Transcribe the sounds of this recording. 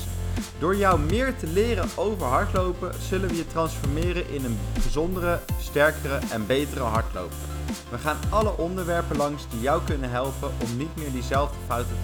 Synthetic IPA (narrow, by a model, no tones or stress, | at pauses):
d̥ʊːɹjʌwmɪːɹtəlɪːrəowvəɹɦɑɹtlowpəz̥ɵlənʋəjətrɑnsfɔɹmɪːrənʔɪnənbəzɔndərəstɛɹkərəʔɛnbejtərəɦɑɹtlo̰wp | ʋəχaːnʔɑləʔɔndəɹʋɛɹpəlɑŋzdijʌwkɵnənɦɛlˠpənɔmnitmɪːɹdizɛlˠvdəfɑwtə